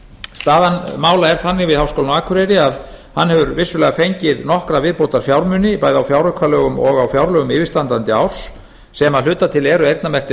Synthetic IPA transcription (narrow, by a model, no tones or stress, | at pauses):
st̪aːðanmaːwlaɛɾ̥θanːɪɣvɪðhawskowlnaːkʰʏɾɛɾɪað | hanːhɛvʏɾvɪsːʏlɛːɣafejɲcɪðnɔhkɾavɪðpowt̪aɾfjawɾmʏnɪpaːjðawfjawɾʏkʰvalœːɣʏmɔɣawfjawɾlœɣʏmɪːvɪst̪ant̪ant̪ɪawɾ̥sː | ɛmaðlʏːt̪at̪ʰɪlɛɾʏejɾt̪namɛr̥t̪ɪ